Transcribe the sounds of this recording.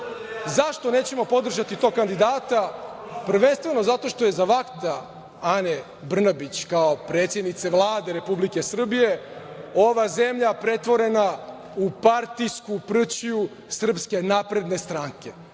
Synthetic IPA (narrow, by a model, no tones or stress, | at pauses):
zaʃt̪o̞ne̞ːt͡ɕe̞mo̞po̞d̪r̩ʒat̪it̪o̞ːɡ̚kand̪id̪aːt̪a | pr̩ʋe̞nst̪vʋe̞no̞zat̪o̞ʃt̪oje̞zaʋakt̪a | ane | br̩nabit͡ɕkaopɾe̞ːt̪sjed̪nit̪sevlˠaːd̪e̞ɾe̞publike̞sr̩bije̞o̞ʋaze̞mʎapɾe̞t̪ʋo̞ɾe̞na | upaɾt̪ijskupr̩t͡ɕiju | sr̩pske̞naːpɾe̞d̪ne̞st̪ɾaːŋke̞